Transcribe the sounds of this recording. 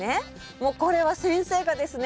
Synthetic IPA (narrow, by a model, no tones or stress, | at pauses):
e | moːko̞ɾe̞βasẽ̞ɰ̃se̞ːkad̪e̞sɨn